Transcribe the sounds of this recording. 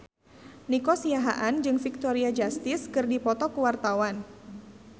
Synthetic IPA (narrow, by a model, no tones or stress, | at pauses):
nikɔsiaɦa̰ʔand͡ʒɨŋfik̚t̪ɔɾiad͡ʒast̪ɪskɨrdipɔt̪ɔkuwart̪awan